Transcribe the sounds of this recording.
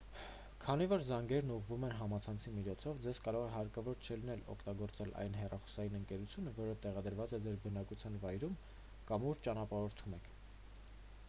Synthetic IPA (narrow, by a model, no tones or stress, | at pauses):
kʰɑnivɔɾzɑŋɡɛɾnuʁvumɛnɦɑmɑt͡sʰɑnt͡sʰimit͡ʃʰɔt͡sʰɔvd͡zɛz̥kɑɾɔʁɛɦɑɾkɑvɔɾt͡ʃʰəlinɛlɔ̰kʰt̪ɑɡɔɾt͡sɛlʔɑ̰jnɦɛrɑχɔ̥sɑjinəŋkɛɾut͡sʰjunəvɔɾət̪ɛʁɑd̪əɾvɑt͡sɛd͡zɛɾbənɑkut͡sʰjɑnvɑjɾum | kɑmuɾt͡ʃɑnɑpɑɾɔɾt̪ʰumɛkʰ